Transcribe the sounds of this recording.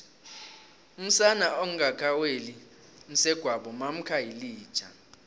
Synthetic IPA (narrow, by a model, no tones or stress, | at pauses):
um̩sanaoŋ̩ɡakʰaweli | m̩sɛɡ̥ʱwaɓɔmam̩kʰajiliːd̥ʒ̥ʰʱʼa